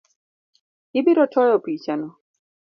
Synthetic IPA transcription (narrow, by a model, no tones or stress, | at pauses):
ibiɾɔtɔjɔpit͡ʃanɔ